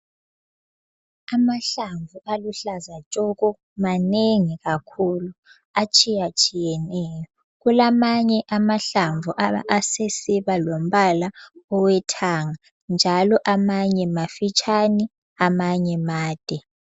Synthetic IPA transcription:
amaɬaɱvuʔaluɬazat͡ʃʼɔɣɔ | maneŋiɣakʰulu | at͡ʃʼijat͡ʃʼijɛnɛːjɔ | ɣulamaɲɛʔamaɬaɱvuʔaβa̰ʔsesiβalom̩βalaɔwɛtʰaŋa | nd͡ʒʱalɔʔamaɲɛmafit͡ʃʼani | amaɲɛmaːd̥ʼʱɛ

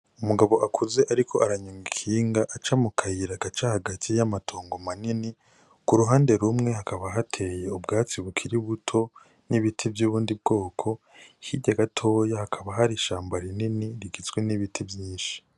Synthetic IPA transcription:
umuɡaβo̞ʔakʰuze̞ʔaɾikʰo̞aɾaɲuŋɡikʰiːŋɡaʔat͡ʃamukʰajiɾaɡat͡ʃahaɡatʰijamatʰo̞ːŋɡo̞manini | kuɾuɦaːnde̞ɾumŋe̞hakaβaɦatʰe̞ːje̞ubɡaːt͡siβukʰiɾiβutʰo̞ | niβitʰivjuːβuːndib̚ɡo̞ːkʰo̞ | hiɟaɡatʰo̞ːjahakʰaβaɦaɾiʃaːmbaɾininiɾiɡit͡sɡweniβitʰibjiːnʃi̥

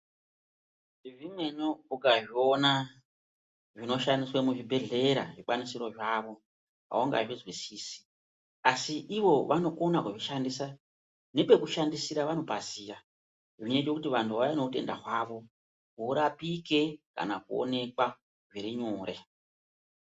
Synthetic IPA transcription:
iʐimwe̞ɲoukaʐiona | ʐino̞ʃandiswemuʐibʱe̞ɮe̞ɾa̰ʐik͡panisiɾo̞ʐaːʋo̞ | a̰oŋɡa̰ʐizwisiːsi̥ | asiʔiʋo̞ʋʔano̞ko̞nakuʐiʃandisa | ne̞pe̞kuʃandisiɾaʋano̞pasiːra | ʐiɲet͡ʃe̞kutiʋantʰuʋaano̞te̞̰nda̰kwaːʋo̞ | kuɾapike̞ka̰nakuo̰ne̞kwa | ʐiɾiɲuːre̞

